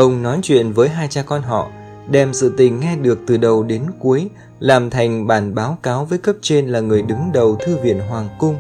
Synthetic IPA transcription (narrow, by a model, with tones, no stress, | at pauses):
ʔə˧wŋ͡mnɔ˨˦jt͡ɕwḭ˧˨ənvəː˨˦jɦaː˧jt͡ɕaː˧kɔ˧nɦɔ̰˧˨ | ɗɛ˧˩msɨ̰˧˨t̪ï˨˩ŋ̟ːɛ˧ɗɨ˨˩ək̚t̪ɨ˨˩ɗə˨˩wɗe˨˦nku˨˦əj | laː˨˩mt̪ʰa˨˩jŋ̟ɓaː˧˩nɓaː˨˦wkaː˨˦wvəː˨˦jkə˦˥p̚t͡ɕe˧nlaː˨˩ŋɨ˨˩əjɗɨ˨˦ŋɗə˨˩wt̪ʰɨ˧vḭ˧˨ənɦwaː˨˩ŋkʊ˧ŋ͡m